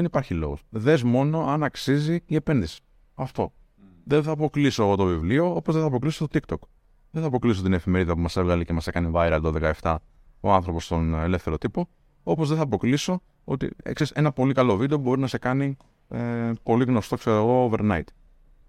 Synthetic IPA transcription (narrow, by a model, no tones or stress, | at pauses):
ðenipɐɾçilo̞̰ɣosðe̞zmo̞no̞ɐnɐksiziiepe̞nðisi̥ | ɐft̪o̞ | ðenθɐpo̞klisoot̪o̞vivlio̞opo̞zðeθɐp̬ɾo̞klisot̪o̞t̪ikt̪o̞k | ðeθɐpɾo̞klisot̪ine̞fime̞ɾiðɐpumɐse̞vɣɐlecemɐsekɐnivɐjɾɐlt̪oðe̞kɐe̞ft̪ɐ | oɐnθɾo̞post̪o̞ne̞le̞fθe̞ɾo̞t̪ipo̞ | o̞po̞zðeθɐpo̞kliso̞ | o̞̰t̪ḭkseɾise̞nɐpo̞likɐlo̞vid̪eoubo̞ɾinɐse̞kɐni | epo̞liɣno̞st̪o̞kseɾɣo̞ove̞ɾnɐit̪